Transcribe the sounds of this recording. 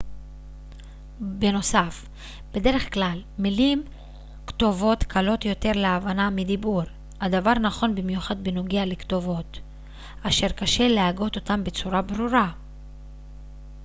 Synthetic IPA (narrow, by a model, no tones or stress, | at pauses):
be̞no̞saf | b̥e̞de̞ʁe̞χklalmilim | kto̞vo̞tkʰalo̞t̪jo̞te̞ʁleavanamid̪ibuʁ | had̪avaʁnaχo̞nbimjuχad̪̚benoɡealekt̪o̞vo̞t̪ | aʃe̞ʁkaʃe̞leaɡo̞t̪o̞t̪ambet͡suʁabʁuʁa